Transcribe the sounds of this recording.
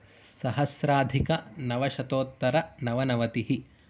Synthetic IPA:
sɐɦɐsɾaːd̪ʱikɐnɐʋɐʃɐt̪oːt̪ːɐɾɐnɐʋɐnɐʋɐt̪iɦi

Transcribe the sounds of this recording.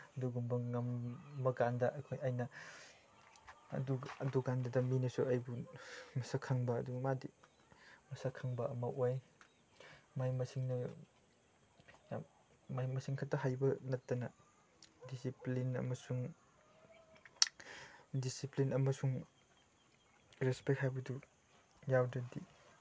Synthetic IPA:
ɐduɡumbɐŋɐmbɐkandɐʔɐjkʰojajnɐ | ɐ̰duɐduɡandɐdɐminɐsuajbumɐsakʰːaŋbɐ̰ːduɡmadi | mɐsakʰːaŋbɐɐmɐʔoj | majmɐsiŋnɐ | ja | majmɐsiŋkʰatːɐɦajbɐnɐtːɐnɐ | disiplinɐ̰mɐsuŋ | disiplinɐmɐsuŋ | ɾespek̚hajbɐdu | jawdɐdi

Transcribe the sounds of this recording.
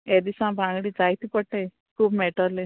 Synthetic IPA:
ed̪isãbʱãŋɡɽid͡zajt̪ipəʈːe | kʰuːbmeʈəle

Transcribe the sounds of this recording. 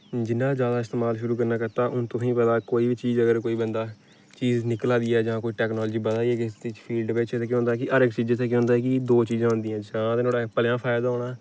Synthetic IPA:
d͡ʒɪnːãːd͡ʒjaːd̪aːɪst̪eːmaːlʃʊɾuːk̬əɾnaːkəɾt̪aːʔʊnt̪ʊsĩːpət̪aːkoːiːbit͡ʃiːzəɡəɾkoːiːbənd̪aː | t͡ʃiːznɪklãːd̪iːɛːd͡ʒãːkoːiːʈɛːknɔːlːd͡ʒiːbət̪aːiɛːkɪt̪ɪt͡ʃpʰiːlɖpeːt͡ʃʰeːt̪ekj̃õɦʊːnd̪aːɛːkɪʔəɾɪkt͡ʃiːd͡ʒeːt̪eːkj̃ʊ̃ːnd̪aɛːkɪd̪oːt͡ʃiːzãːʊ̃nd̪iːãːd͡ʒãːt̪ːnoːɽaːpəljãːpʰaːɪd̪aːɦoːɽaː

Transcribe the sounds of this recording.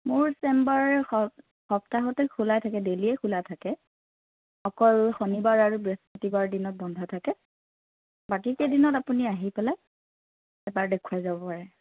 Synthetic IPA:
mʊɹsɛmbaɹ | xɔptaɦɔtɛkʰulajtʰakɛdeliɛkʰulatʰakɛ | xɔkɔlxonibaɹaɹubɹespɔtibaɹdinɔt̚bɔndʱɔtʰakɛ | bakikedinɔtapuniaɦipɛlaj | ɛbaɹdekʰuwajzabɔpaɹɛ

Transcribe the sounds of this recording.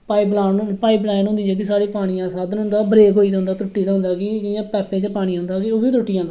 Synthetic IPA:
paːiblaːnpaːiːplaːnʊ̃nd̪iːɛːk̬ɪsaːɽiːpaːɽ̃ɪːãːsaːd̪nʊ̃nd̪aːbɾeːkɦoːiːd͡ʒ̪ãːnd̪aːt̪ʊʈːiːd̪ãːnd̪aːkɪd͡ʒɪjãːpɛːpẽːd͡ʒpaːɽ̃iːɦʊnd̪aːkioːbiːt̪ʊʈːiːd͡ʒãːnd̪

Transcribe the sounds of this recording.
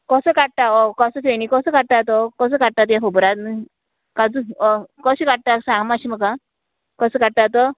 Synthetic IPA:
kɔsəkaʈ̚t̪aɔkɔsəfenikɔsəkaʈ̚t̪at̪ɔkɔs̬əːkaʈ̚t̪at̪̬jãɦobɾat̪ni | kad͡zuɔkɔɕikaʈ̚t̪asãŋɡmaɕiməkːa | kɔsəkaʈ̚t̪at̪ɔ

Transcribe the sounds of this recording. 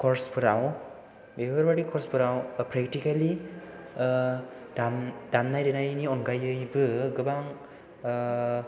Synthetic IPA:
kʰɔɾspɯɾaw̃ | bebəɾbaʈikʰɔɾspɯɾawpɾɛkʈikali | damdamnajdenajniɔnɡajɯjbɯɡɯbaŋ

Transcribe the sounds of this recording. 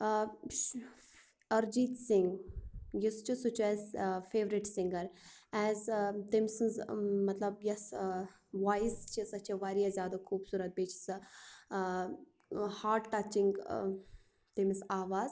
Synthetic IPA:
ɐɾd͡ʒiːt̪sɪŋɡjɪst͡ʃusut͡ʃɛːzfeːʋɾɪʈsɪŋɡɐɾɛːzt̪emsɨnzmɐt̪lɐbjɐs | ʋaːjzt͡ʃisɐt͡ʃʰeʋaːɾijazʲjaːd̪axʰuːbsuːɾɐt̪̚beːt͡ʃʰs | haːɾɖʈat͡ʃiŋɡ | t̪emisaːʋaːz

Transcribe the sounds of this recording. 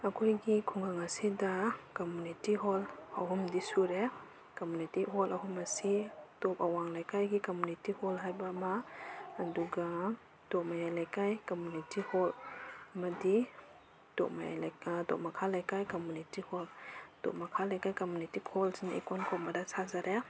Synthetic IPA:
akʰojɡikʰuŋɡaŋasidakamunitiɦɔlaɦumdisuɾe | kamunitiɦɔlaɦumasitɔp̚awaŋlajkajɡikamunitihɔlɦajbamaː | duɡa | d̥ɔmajajlajkajkamunitihɔlmadi | d̥ɔ̰maja̰dɔ̰p̚makʰalajkajkamunitihɔld̥ɔ̰p̚makʰalajkajkamunitikʰɔlsinḛkɔnkʰɔmadasʰazaɾʔe

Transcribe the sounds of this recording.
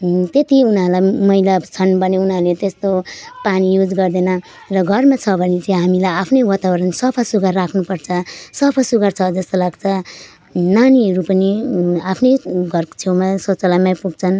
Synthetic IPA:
t̪et̪iunɦʌlajmʌilat͡sʰʌnbʌneunalet̪est̪opanijud͡zɡʌrd̪enʌ | rʌɡʱʌrmat͡sʰʌbʱʌnet͡saĩɦamilajapʰnʌwat̪abʌɾʌnsʌpʰʌsuɡarːakʰnupʌrt͡sʰʌsʌpʰʌsuɡart͡sʰʌd͡zʌst̪olaɡt͡sʰʌ | naniɦʌɾupʌniapʰnʌjɡʱʌrko̥t͡sʰewmasot͡sʌlamapuɡ̚t͡sʰʌn

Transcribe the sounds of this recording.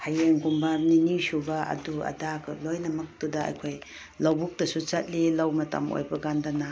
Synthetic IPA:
hajeŋɡumbaninisubaʔɐ̰duɐ̰dakʰɯlojnɐmɐk̚tudɐa̰jkʰoj | lawbuk̚tɐsut͡ʃat̚lilawmɐtɐ̰mo̰jbɐɡandɐna

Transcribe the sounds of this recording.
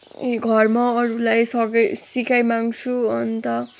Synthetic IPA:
eɡʱʌrmʌːɾulajsʌɡʌjsikʰajmaŋt͡sʰuʌnt̪ʌ

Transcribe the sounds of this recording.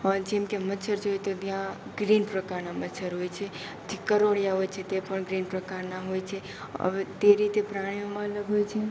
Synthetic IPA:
d͡ʒɛmkemət͡ʃʰəɾd͡ʒojet̪ot̪jãɡɾinpɾəkaɾnamətːt͡ʃʰəɾɦojt͡ʃʰe | d͡ʒekəɾoɽjaɦojt͡ʃʰet̪epəɳɡɾinpɾəkaɾnaɦojt͡ʃʰe | ə̰et̪eɾit̪epɾaɽ̃iomãələɡɦojt͡ʃʰe

